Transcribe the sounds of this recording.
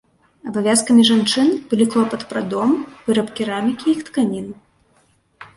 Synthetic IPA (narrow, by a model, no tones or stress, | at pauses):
ɐbavʲjaskɐmʲiʐant͡ʂɨnbɨlʲiklˠɔpɐt̪pɾad̪ɔmvɨɾɐpkʲiɾamʲikʲiixt̪kanʲin